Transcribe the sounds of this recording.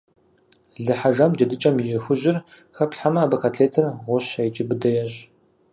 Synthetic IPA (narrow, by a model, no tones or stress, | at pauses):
ɮɨħaʒɐmd͡ʒɐdɨt͡ʃʼɐmjɪxʷʊʒɪr | xɐpɬħamɐːbɐxʰaɬʰeːtʰɐrʁʷʊɕɐjt͡ʃʼɪbɨdɐjɛɕ